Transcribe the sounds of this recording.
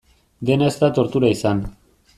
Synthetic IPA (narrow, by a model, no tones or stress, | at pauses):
d̪e̞nae̞st̪at̪o̞ɾt̪uɾaisan